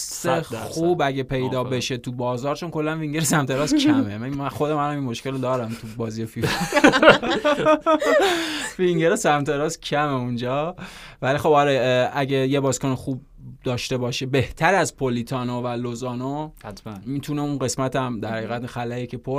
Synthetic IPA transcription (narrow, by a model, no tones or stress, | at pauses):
sexuːbæɟepʰe̞jd̪ɒːbe̞ʃet̪ʰubɒːzɒːɾt͡ʃo̞nkʰo̞lːænviŋɟeɾesæmt̪ʰeɾɒːskʰæmemææxod̪emænhæminmo̞ʃkelod̪ɒːɾæmt̪ʰubɒːzijefi | viŋɟeɾesæmt̪ʰe̞ɾɒːscʰæmeund͡ʒɒːvælixo̞bɒɾeæɟejebɒːzkonixuːb̚ | d̪ɒːʃt̪e̞bɒːʃebeht̪ʰæɾæzpʰolit̪ʰɒːnovælozɒːnoht̪ʰæmit̪ʰuneunɢe̞smæt̪ʰæmd̪æɾhæɣiːɣæt̪xælæjecʰepʰo